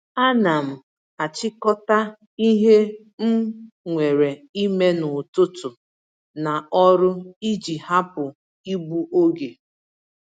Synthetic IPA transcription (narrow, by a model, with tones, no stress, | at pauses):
a˦na˨m̩˨ | a˨t͡ʃɪ˦kɔ˦ta˦ | i˦ɦe˦ | m̩˦ | ŋʷe˨ɾe˨i˦me˦nʊ˨tʊ˦tʊ˨ | na˨ɔ˦ɾʊ˦i˦d͡ʒi˨ha˦pʊ˨ | i˦ɡ͡bu˦ʔo˦ɡe˨